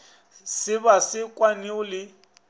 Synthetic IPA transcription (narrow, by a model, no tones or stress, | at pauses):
sɪbasɪkʼwaniʊlɪ